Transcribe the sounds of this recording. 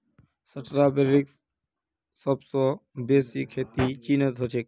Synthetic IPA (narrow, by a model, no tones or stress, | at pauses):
səʈɾabeɾiks | səbsɔbeːsikʰːeːt̪it͡ʃiːnət̪ɦot͡ʃʰek